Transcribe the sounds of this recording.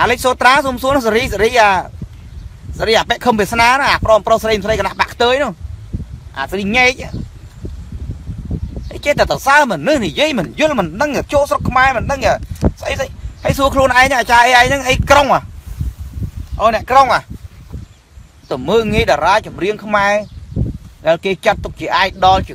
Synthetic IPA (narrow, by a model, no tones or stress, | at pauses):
ʔaːlɨc̚soːt̪raːsuːmsuənɔsaɾiːsaɾiːʔaː | saɾiːʔaːpɛəʔkʰəmpiəsnaːnaʔaːprɔːmprosaɾəjmsrəjkanaʔpaʔkʰt̪əːjnɔh | ʔa̰ːsriːɲaɛc̚ʔa | ʔəjt͡ɕeːt̪at̪əwsaəmɨnɨhnijiəjmɨnjʊlmɨnɗəŋat͡ɕoːʔsrokʰːmaɛmɨnɗəŋasʔəjsəjhəjsuəkʰluənʔaɛŋnaʔaːt͡ɕaːʔəjʔaɛjnɨŋʔəjkroŋʔah | ʔɔːnɛ̆əʔkroŋʔa | t̪ɨməːŋiəjɗɑːɾaːjt͡ɕumriəŋkʰmaɛ | ɗaɛlkeːt͡ɕət̪ːuk̚t͡ɕiəʔaːk̚ɗɑlt͡ɕiə